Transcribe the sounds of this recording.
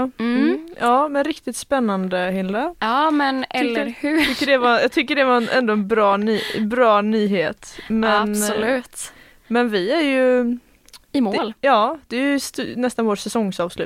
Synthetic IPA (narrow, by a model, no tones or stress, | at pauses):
jɑːmɛnɾɪkt̪ɪt̪spɛnːand̪əhɪld̪əɑːmɛnɛlːəɾhʉkːəɖɛvajɑːɡt̪ʰʏkːəɖɛvaɛnʔɛ̰nd̪oɛnbɾɑːnyːbɾɑːnyːɦeːt̪mɛnlʉːt̪ | mɛnvɪæɾjɵ | ɪmoljɑːd̪̥ɛjst̪nɛst̪anvoːʈsɛsɔŋsɑːvslʉ̰ː